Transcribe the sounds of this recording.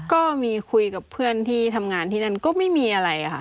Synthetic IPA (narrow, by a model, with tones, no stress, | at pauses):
kɔː˥˩miː˧kʰu˧jka˨˩pʰɯ˥˩ənt̪ʰiː˥˩t̪ʰa˧mŋaː˧nt̪ʰiː˥˩na˥˩nkɔː˥˩ma˥˩jmiː˧ʔa˧ɾa˧ja˧˩xʰa˧˥˩